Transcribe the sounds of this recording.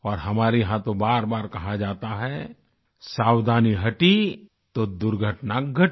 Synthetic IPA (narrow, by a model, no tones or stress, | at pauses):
ɔːɾɦɐmaːɾeɦãt̪obaːɾbaːɾkɐɦad͡ʒaːt̪aɦɛ | saːwd̪ʱaːniɦɐʈi | t̪od̪ʊɾɡʱəʈnaɡʱɐʈ